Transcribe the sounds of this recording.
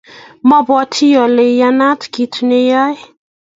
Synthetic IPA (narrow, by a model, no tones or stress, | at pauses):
mabɔt̪ʰialeanat̪i̥kit̪ʰunejaj